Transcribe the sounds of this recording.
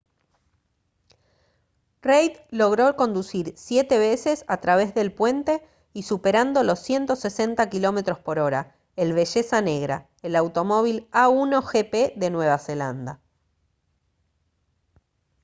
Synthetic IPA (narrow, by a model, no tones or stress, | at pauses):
rejt̪lo̞ɣ̞ɾo̞ko̞nd̪usiɾsje̞t̪e̞βe̞se̞sat̪ɾaβ̞e̞zðe̞lpwe̞nt̪e̞ | isupe̞ɾand̪o̞lo̞sːje̞nt̪o̞se̞se̞nt̪akilo̞me̞t̪ɾo̞spo̞ɾo̞ɾa | elβe̞ʒe̞sane̞ɣɾa̰ | elawt̪o̞mo̞β̞ilauno̞xepeðe̞nwe̞β̞ase̞land̪a